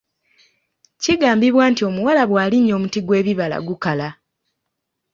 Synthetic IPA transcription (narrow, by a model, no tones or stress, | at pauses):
ciɡaːmbiβwaːntio̞muwalaβwaːliɲːo̞ːmutiɡwe̞ːβiβala̰ɡukala